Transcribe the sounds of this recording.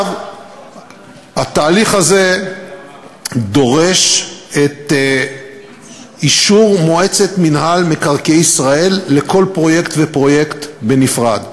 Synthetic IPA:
v | hat̪aːliχhaze̞ | d̪o̞ʁe̞ʃet̪ | iʃuʁmoe̞t͡se̞t̪minɦalmekaʁkejisʁae̞lːeko̞lpʁo̞je̞ktvepʁo̞je̞kt̪be̞nifʁad̪

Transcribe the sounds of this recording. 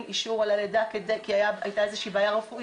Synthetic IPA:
niʃuʁalaled̪akedejkiajaajtaezeʃiːbaːjaʁefuʔ

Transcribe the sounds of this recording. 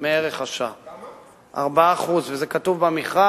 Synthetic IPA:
meeʁeχaʃa | a̰ʁbaːχuzvezekat̪uvbamiχa

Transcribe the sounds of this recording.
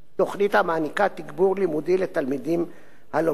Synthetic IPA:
o̞χnit̪hamaːnikat̪iɡbuʁlimud̪ilet̪almid̪im | halo

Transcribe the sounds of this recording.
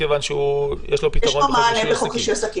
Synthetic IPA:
evanʃeujeʃlopitjɛʃʁoomaːnebeχokiʃosaki

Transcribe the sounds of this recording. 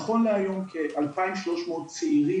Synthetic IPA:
χo̞nleajo̞mkʰeʔalpaimʃlo̞ʃmoːt̚t͡seiʁi

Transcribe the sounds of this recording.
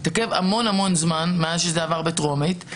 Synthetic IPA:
take̞va̰mo̞namo̞nzmanmeazʃezeavaʁbetʁo̞mit

